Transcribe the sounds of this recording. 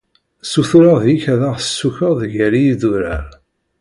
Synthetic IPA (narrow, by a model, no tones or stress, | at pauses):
suθuɾəʁðjiçæðaʁəsːuçəʁðʝəɾijiðuɾæ̰ɾ